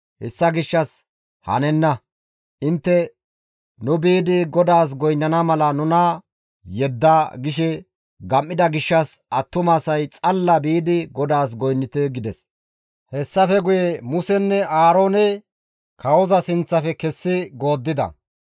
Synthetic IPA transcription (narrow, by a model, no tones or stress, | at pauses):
hɛsːɐɡɪʃːɐs | hɐ̰nɛnːɐ | ʔɪnt̪ːɛ | nʊbiːd̪ɪɡɔd̪aːs̬ɡɔjnːɐnɐmɐlɐnʊnɐ | jɛd̪ːaɡɪʃɛ | ɡɐmːɪd̪ɐɡɪʃːɐsɐt̪ːʊmaːsɐjt͡sʼɐlːɐbiːd̪ɪɡɔd̪aːs̬ɡɔjnːɪt̪ɛɡɪd̪ɛs | hɛsːɐfɛɡʊjɛmʊsɛnːɛʔaːɾo̞ːnɛ | kʰɐwɔzɐsɪnt͡sːɐfɛkɛsːɪɡo̞ːd̪ːɪd̪ɐ̰